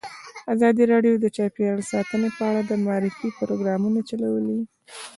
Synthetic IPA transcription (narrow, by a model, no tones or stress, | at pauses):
azɑd̪iɾɑɖjod̪ət͡ʃɑpjaɳsɑt̪ənepəaɽad̪əmaɑɾɪfipʊɾoɡɾɑmunat͡ʃalawəli